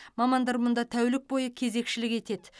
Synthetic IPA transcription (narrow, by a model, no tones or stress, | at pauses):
mɑmɑnd̪ɑɾmʊnd̪ɑt̪ʰæwlɪk̚bo̞jəkʲʰe̞ze̞kʃɪlɪke̞t̪e̞d̪ɪ